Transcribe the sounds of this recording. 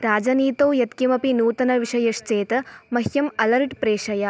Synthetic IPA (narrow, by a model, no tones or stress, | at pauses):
ɾaːd͡ʒɐniːt̪oːjɐt̪kimɐpinuːt̪ɐnɐʋiʂɐjɐʃt͡ʃeːt̪ɐmɐɦjɐmɐlɐɾʈpɾeːʂɐjɐ